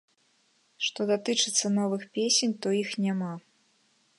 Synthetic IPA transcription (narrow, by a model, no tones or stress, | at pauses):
ʂt̪ɔd̪at̪ɨt͡ʂɨt̪sːɐnɔvɨxpʲesʲenʲt̪ɔixnʲama